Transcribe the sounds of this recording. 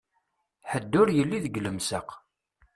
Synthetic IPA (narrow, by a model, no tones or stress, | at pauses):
ħəd̪ːʊɾjəlːiðəɡləmsəq